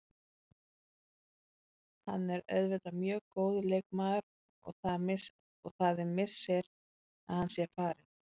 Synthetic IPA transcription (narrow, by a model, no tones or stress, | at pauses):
ha̰nːɛɾœ̰ðvʏt̪amjœːɣkoːwðʏlejkmaːðʏɾ | ɔ̰ɣθaðɪ | ɔɣθaːðɪmɪ̥sɛɾ | a̰ðhansjɛɾfaːɾɪ